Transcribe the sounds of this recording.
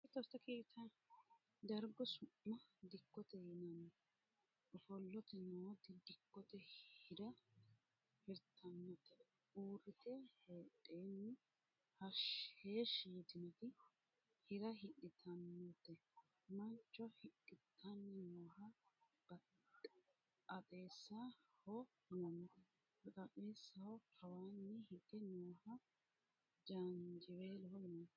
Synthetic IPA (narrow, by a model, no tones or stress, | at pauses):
ɪt̪ɔst̪ːɐkʰeːt̪ːɐn | d̪ɐɾɡɔsʊʔːɐd̪ɪkːɔt̪ɛjɛnɐnː | ɔfɔlːɔt̪ɛnot̪ɪd̪ɪkːɔt̪ɛhɪdɐ | hɪɾt̪ʰːɐnːɔt̪ːɛ | uːrɪt̪ɛhoːtʼːeːnːɪ | hɐʃheːʃiːd̪ɪnɔt̪ɪ | hɪɾɐɦɪɗɪt̪ʰɐnːɔt̪ːɛ | mɐnt͡ʃːɔhɪkːɪt̪ʰːɐnːɪnoːhɐb̥ɐ | ɐtʼeːsːahɔ | nɐnɔ | bɐkʼɐpʼeːsːɐwɔhɐwaːnːɪhɪtɪnoːhɐ | d͡ʒand͡ʒɪweːlɔhɔhnɐn